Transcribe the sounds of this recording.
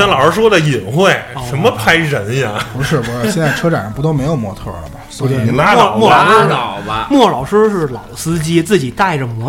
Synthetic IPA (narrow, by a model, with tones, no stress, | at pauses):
ɑ˥nlɑ˨˩ə˞˧˥ʂwɔ˥d̪ə˨i˨˩ŋxwe˥˩ɪ˧ʂə˧˥nmə˧pʰa˥ɪɻə˧˥nja˨˩pu˧˥ʂɻ̩˥˩wɔ˨˥ɕjɛ˥˧nt͡sa˥˩ʈ͡ʂʰɤ˥ʈ͡ʂa˨˩n˥pu˧˥t̪o˥ʊme˧˥ɪjo˨˩ʊmwɔ˥t̪ʰɤ̰˥˩lə̰˨˩mɐ˨˩˧na˧˥lmwɔ˥˩lɑ˨˩ʊʂ̩˥˧˨ʊbɐ˧mwɔ˥˩lɑ˨˩ʊʂɻ̩˥ʂɻ̩˥˩lɑ̰˨˩ʊsɹ̩˥t͡ɕi˥t͡sɹ̩˥˩t͡ɕi˨˩t̪a˥˩ɪʈ͡ʂə˩mwɔ˧˥